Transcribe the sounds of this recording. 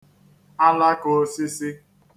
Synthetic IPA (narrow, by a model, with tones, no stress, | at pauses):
a˦la˦ko˨si˦si˦